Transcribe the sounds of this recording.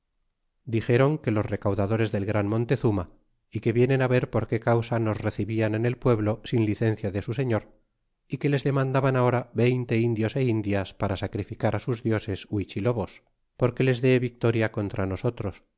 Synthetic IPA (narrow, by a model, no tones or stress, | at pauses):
d̪ixe̞ɾo̞ŋke̞lo̞sre̞kawðað̞o̞ɾe̞zðe̞lɣɾanmõ̞nt̪e̞θuma | ike̞βje̞ne̞naβe̞ɾpo̞ɾke̞kawsano̞sre̞θiβianene̞lpwe̞βlo̞sinliθe̞nθjaðesuse̞ɲo̞ɾ | ike̞le̞zðe̞mãnd̪aβanao̞ɾaβe̞jnt̪e̞ind̪jo̞se̞ind̪jaspaɾasakɾifikaɾasuzðjo̞se̞swit͡ʃilo̞βo̞s | po̞ɾke̞le̞zðeβik̚t̪o̞ɾjako̞nt̪ɾano̞so̞t̪ɾo̞s